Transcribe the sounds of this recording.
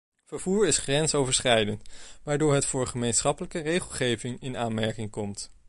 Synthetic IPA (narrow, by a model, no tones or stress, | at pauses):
vəɹvuːɹɪsχrɛnsowvəɹsχɛjdəntʋaːɹdʊːɹɦətfʊːɹχəmejnsχɑpələkərejχəlˠχejvɪŋɪnaːnmɛɹkɪŋkɔmt